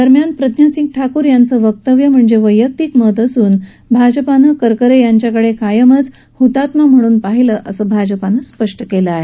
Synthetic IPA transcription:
d̪əɾmjanpɾəd̪ʱjasiŋk̚ʈʰakuːɾjant͡səʋək̚t̪əʋjəm̤əɳd͡zeʋəjːək̚t̪iːkmət̪əsuːn | bʱad͡ʑəpanəkəɾkəɾejaɲt͡ɕjakəɽekajəmət͡s | hut̪at̪mam̤əɽ̃uːnpaɦiləːʔəsəbʱad͡ʑəpanəspəʂʈəkeləaɦe

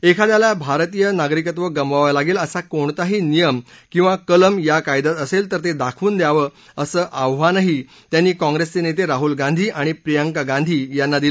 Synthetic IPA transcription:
ekʰad̪jalabʱaɾt̪ijənaɡɾikət̪ʋəɡəmʋaʋalaɡeːləsakoɳt̪aɦiːnijəm | kĩw̃ʋakələmjakajd̪at̪əselt̪əɾt̪ed̪akʰʋuːnd̪jaʋə | əsəːʔaʋʋanaɦi | t̪janːiːkɔ̃ŋɡɾest͡senet̪eɾaɦulɡãnd̪ʱiːʔaɽ̃ipɾijəŋkaɡãnd̪ʱiːjanːad̪il

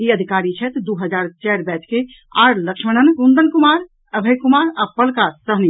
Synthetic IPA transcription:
iəd̪ʱikaɾit͡ʃʰɛt̪d̪uɦəd͡ʒaɾt͡ʃɛɾbɛt͡ʃke | a̰ɾləkʃməɽ̃ənkund̪ənkumaɾ | əbʱəjkumaɾapəlkasəɦni

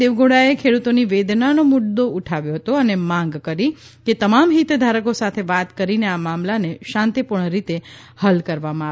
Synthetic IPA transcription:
eʋɡoɽaekʰeɽut̪oniʋed̪nanomʊɽd̪ouʈʰaʋjoɦət̪oənemãŋɡkəɾi | ket̪əmamɦit̪d̪ʱaɾəkosat̪ʰeʋat̪kəɾineamamlaneʃãnt̪ipuɳ̃ɾit̪e | həlkəɾʋamãa

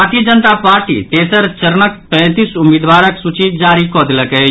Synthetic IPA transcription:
aɾt̪ijəd͡ʒənt̪apaːɾʈḭːt̪eːsəɾt͡ʃɐɾnək̚pɛ̃ːt̪iːsʊmeːd̪ʋaːɾəksut͡ʃid͡ʒaːɾikɔːd̪ləkɦɛ

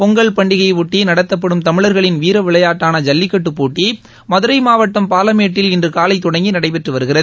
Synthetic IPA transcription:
pɔŋɡɐɭpɐɳɖɪɣɐɪʋʊʈːinɐɽɐt̪ːɐp̬ːɐɽɯmt̪ɐmɪɭɐɾɣɐɭɪnʋiːɾɐʋɪɭɐjaːʈːaːnɐd͡ʒɐlːɪkːɐʈːɯpːuːʈːi | mɐðɯɾɐɪmaːʋɐʈːɐmpaːlɐmeːʈːɪlɪndrɯkaːlɐɪt̪ːɔɽɐŋɡinɐɽɐɪpɛʈrɯʋɐɾɯɣɪrɐðɯ

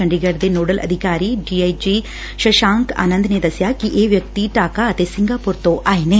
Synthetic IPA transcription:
ɐɳɖiɡɐɖd̪enoːɽəlʔɐ̰d̪ʱɪkaːɾiɖiːaːjd͡ʒi | ʃɐʃãːŋka̰ːnə̃nd̪ʱned̪ɐsjakiʔeːʋjɐk̚t̪iʈaːkaɐt̪esɪ̃ŋɡaːpuɾt̪oʔaːineː

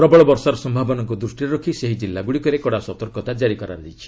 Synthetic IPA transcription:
ɾɔbɔɭɔbɔɾsaɾɔsɔmbʱabɔnɔŋkud̪ɾusʈiɾɾɔkʰiseɦid͡ʒilːaɡuɽikɔɾekɔɽasɔt̪ɔɾkɔt̪ad͡ʒaɾikɔɾa̰ɾd̪it͡ʃʰi̥

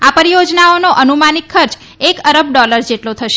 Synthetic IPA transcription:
apəɾijod͡ʒnaonoʔənumanikʰːəɾt͡ʃ | ekəɾəb̚ɖɔləɾd͡ʒeʈlot̪ʰəʃe

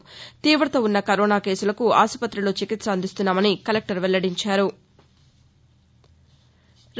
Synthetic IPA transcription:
t̪iːʋɾɐt̪oːunːɐkɐɾoːnaːke̞ːsulɐkuaːsɐpɐt̪ːɾɐlo̞ːt͡ʃikit̪sɐɐnd̪ist̪unːaːmɐnikɐlek̚ʈɐɾʋɛlːɐɽiɲt͡ʃaːɾu | ɾ

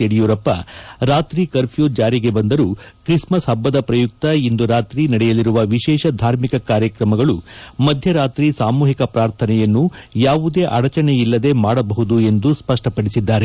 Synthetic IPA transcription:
eɽijuːɾɐpːɐ̰ɾaːt̪ɾikɐɾpʰijoːd͡ʒaːɾiɡe̞bɐnd̪ɐɾukɾismɐsɦɐbːɐd̪ɐpɾɐjuk̚t̪ɐind̪uɾaːt̪ɾinɐɽɛjɐliɾuʋɐʋiʃɛːʃɐd̪ʱaːɾmikɐkaːɾjɐkɾɐmɐɡɐɭumɐd̪ʱjɐɾaːt̪ɾisaːmuːɦikɐpɾaːɾt̪ʰɐnɛjɐnːujaːʋud̪e̞ːʔɐɽɐt͡ʃɐnejilːɐd̪e̞maːɽɐbɐɦud̪ue̞nd̪uspɐʂʈɐpɐɽisid̪ːaːɾe

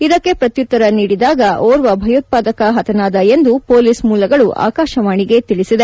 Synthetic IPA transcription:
id̪ɐkːe̞pɾɐt̪jut̪ːɐɾɐniːɽid̪aːɡɐʔoːɾʋɐbʱɐjut̪̚paːd̪ɐkɐɦɐt̪ʰɐnaːd̪ɐe̞nd̪upoːliːsmuːlɐɡɐɭuʔa̰ːkaːʃɐʋaːɳiɡe̞t̪iɭisid̪e

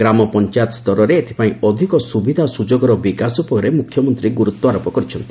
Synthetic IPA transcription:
ɾamɔpɔnt͡ʃat̪ɔst̪ɔɾɔɾeːt̪ʰe̥paĩɔd̪ʱikɔsubid̪ʱasud͡ʒoɡɔɾɔbikasupɔɾemukʰːjɔmɔnt̪ɾiɡuɾut̪ːɔaɾɔpɔkɔɾit͡ʃʰɔnt̪i̥

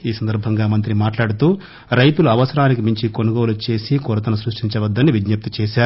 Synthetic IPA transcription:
iːsɐnd̪ɐɾbʱɐŋɡaːmɐnt̪ɾimaːʈlaːɽut̪uː | ɾɐjt̪uluɐʋɐsɐɾaːnikimiɲt͡ʃikonuɡoːlut͡ʃe̞ːsikɔɾɐt̪ɐnɐsɾuʂʈiɲt͡ʃɐʋɐd̪ːɐnːiʋid͡ʒnɐp̚t̪it͡ʃɛːʃaːɾu

